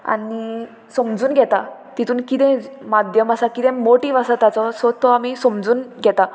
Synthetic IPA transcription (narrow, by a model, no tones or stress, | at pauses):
a̰ni | sɔmd͡zuːnɡʱɛt̪at̪it̪ʰuːnkit̪ɛ̃mad̪ʱjəmasakit̪ɛ̃moʈiʋasat̪at͡sɔsɔt̪ːɔamisɔmd͡zuːnɡʱɛt̪a